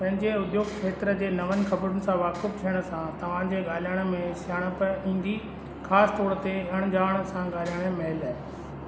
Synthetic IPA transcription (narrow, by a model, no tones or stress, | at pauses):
pɐ̃ɦɪ̃ɲd͡ʑeʊd̪joːɡkʰeːt̪ɾə̆d͡ʑeːnɐʋənɪ̆xɐbɾʊnɪ̆sãʋaːkɪft̪ʰijəɽ̃ə̆sãt̪ɐʋ̤ãd͡ʑeːɠaːljaːɽ̃əmẽsjaːɽ̃ə̆pɐĩːn̆d̪i | xaːsɪ̥t̪ɔːɾt̪eɐɽ̃ʊd͡ʑaːʋəɽ̃ə̆sãɠaːlijaːɽ̃emɐɦɪlaːe